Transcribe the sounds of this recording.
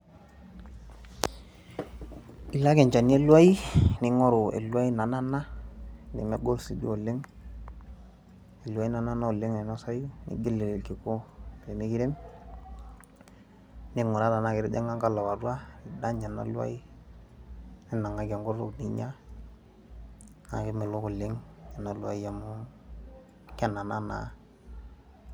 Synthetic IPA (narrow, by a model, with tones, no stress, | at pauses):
i˨la˦ke˨ɲt͡ʃa˨ni˦e˦lu˦a˦i˦ni˨˦ŋo˦ɾo˨ḛ˨lu˦a˦i˦na˨na˦na˦nḭ˨me˦ɡo˦lsi˨dṵ˦o˨le˦ŋ | e˨lwa˦i˦na˦na˦na˦o˨le˦ŋne˨na˦sa˦ju˦nḭ˨ɡe˦le˨ɾe˨lki˨ko˦˨le˨mi˦ki˦ɾe˦m | ni˦ŋu˨ɾa˦da˨na˦ki˨ɾḭ˦dḛ˦ŋa˦ŋɡa˦la˨wa˨ɾu˦a˦ni˨da˦ɲa˨na̰˦lu˦a̰˦i˦ | ni˦na˨ŋa˦ɡe˨ŋɡo˦ɾṵ˦kni˨˦ɲa˦ | na̰˨ki˦mi˨lu˦ku˨lɪ˦ŋɲa˨na˨lu˦a̰˦i˦ja˨mu˦ | ke˦nːa˨na˦na̰˨˦